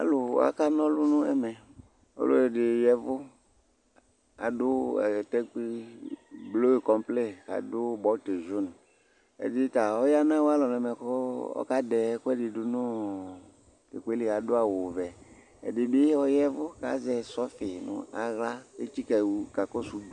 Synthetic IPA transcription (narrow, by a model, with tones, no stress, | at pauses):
a̰˨˦lʊ˨a̰˦ka˦nɔ̃˦lʊ˦nʊ̃˦ɛ̰˨mɛ˨ | ɔ̰˦lʊ̰˦ɛ˨dɪ˨jɛ˦vʊ˦ | a̰˨dʊ˦ɛ̰˨tɛ˦ki˦ | blo˦e˨kɔ˨mple˦ka̰˨dʊ˦bɔ˦te˨ʒu˦n | ɛ̰˨dɪ˦ta˨ɔ˦ja˦nã˦wa˦lɔ˨n˨ɛ˨mɛ˨kɔ˦ɔ̰˦ka˦dɛ˨˦kʊ˦ɛ˦dɪ˨dʊ˨nʊ̃˦ | ke˨ke˦lɪ˨a˨dʊ˦a˨wʊ˨vɛ˨ | ɛ̰˨dɪ˨bɪ˦ɔ˦jɛ˦vʊ˦ka̰˨zɛ˨sɔ˦fɪ˨nʊ̰̃˨a̰˨ɣla˦e˦t͡ʃi˦kɛ˨ka˨kɔ˦su˨du˦